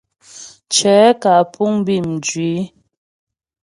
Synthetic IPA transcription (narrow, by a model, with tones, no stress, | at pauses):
t͡ʃɛː˨˦ka˨pʰu˦ŋ˦bi˦˨m̩˨d͡ʒɥi˨˦